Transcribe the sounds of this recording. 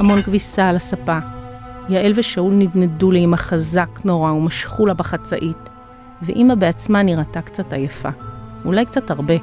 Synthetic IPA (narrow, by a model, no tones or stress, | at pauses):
hamo̞nkvisaːlasapajaʔelveʃaulnidneduliimaχazakno̞ʁaumaʃχulabaχat͡saʔit | veʔimabeat͡smaniʁatakt͡satajafaulajkt͡sathaʁbe̞